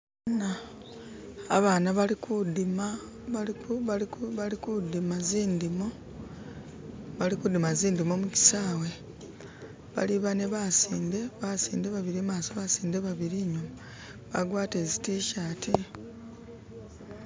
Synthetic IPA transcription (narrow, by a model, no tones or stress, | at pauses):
na | βaːnaβalikʰudima | aiβaliβalikudimaziːndimo | βalikud̪imaziːnd̪imomuci̥saːwe̞ | βa̰liβaneβasiːnde̞βasiːndeβaβiɾimaːsoβasiːnde̞βaβiɾiɲuma | βaɡwaːte̞ːzitiʃaːtʰi